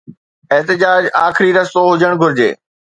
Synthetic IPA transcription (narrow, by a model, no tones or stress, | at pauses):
eɦt̪ɪd͡ʑaːd͡ʑaːxɪɾiɾɐsoɦʊd͡ʑəɽ̃ɡʱʊɾɪd͡ʑḛː